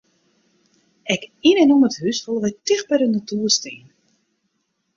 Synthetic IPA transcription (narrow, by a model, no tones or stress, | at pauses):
ɛkinɛnuməthysfolˠʋɛjtɪxbɛɾənatuərstiːn